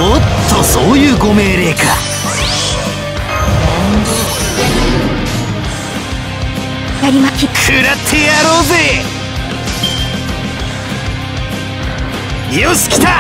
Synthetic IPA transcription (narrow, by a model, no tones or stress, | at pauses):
mot̪ːosoːjɯːɡo̞me̞ːɾe̞ːka | jaɾʲimaikʰɯɾat̪ʰejaɾoːze | ijosɨ̥kʲi̥t̪a